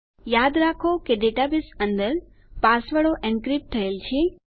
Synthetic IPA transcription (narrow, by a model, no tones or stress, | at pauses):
jad̪ɾakʰokeɖeʈabɪsə̃nd̪əɾ | pasʋəɭoʔɛ̃ɳkɾɪp̚t̪ʰəelt͡ʃʰe